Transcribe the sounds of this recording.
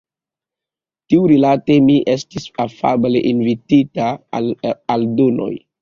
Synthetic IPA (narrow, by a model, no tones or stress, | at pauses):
tiuɾilate̞miʔestisafa̰ble̞ʔinvititalaldono̞̰j